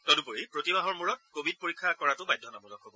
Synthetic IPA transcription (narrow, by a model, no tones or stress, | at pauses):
tɔdupoɹipɹotibaɦɔɹmuɹɔt̚kobʱid̚poɹikʰːakɔɹatʊbajdʱːɔnabɔlɔkɦobɔ